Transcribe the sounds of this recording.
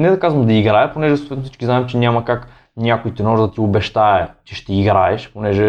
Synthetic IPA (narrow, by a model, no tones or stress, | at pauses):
nɛd̪ɐkazvɐmd̪ɐiɡɾaɛponɛʒɛsot̪vɛt̪fsit͡ʃkiznaɛmt͡ʃɛnʲamɐkak | nʲakoit̪ɛnɔʒd̪ɐt̪iobɛʃt̪aɛt͡ʃɛʃt̪ɛiɡɾaɛʃponɛʒɛ